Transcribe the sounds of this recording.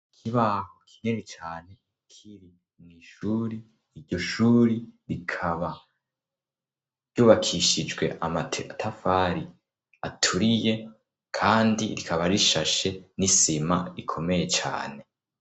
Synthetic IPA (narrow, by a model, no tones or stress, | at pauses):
kʰiβaːhokʰi̥ɲenit͡ʃaːne̞ | kʰiɾi | mŋiːʃuːɾiː | ɾɟo̞ʃuːɾiɾikʰaβa | ɾɟuːβakʰiʃid͡ʒɡwe̞̰ʔamatʰeatʰafaɾi | a̰tʰuɾije̞ | kʰaːndiɾikʰaβaɾiʃaʃe̞nisimaɾikʰo̞me̞je̞t͡ʃa̰ːne̞